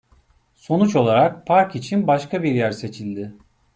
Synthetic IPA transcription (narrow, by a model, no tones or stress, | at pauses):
so̞nut͡ʃo̞lˠaɾak̚pʰaɾkit͡ʃʰinbaʃkʰabiɾjæɾse̞t͡ʃʰilʲd̪ɪ